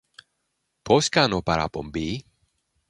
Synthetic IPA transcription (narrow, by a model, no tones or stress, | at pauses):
pʰoskanopaɾa̰po̰mbi